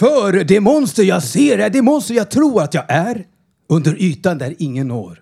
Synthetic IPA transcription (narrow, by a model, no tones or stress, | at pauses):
fœɾɖɛmɔnst̪əɾjɑːɡseːɾæɖɛmɔnst̪əɾjɑːt̪ʰɾuːɾat̪jɑːɡæɾ | ɵnd̪əɾʔyːt̪and̪æɾɪŋːənːo̰ːɾ